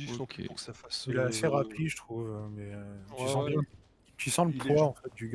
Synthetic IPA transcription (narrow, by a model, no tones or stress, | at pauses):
safasilaːseʁapʰiʒət̪χuvɛ̃mɛøisɑ̃bjɛ̃ | t̪yisɑ̃ləpʰwaɑ̃fɛt̪̚d̪yɡ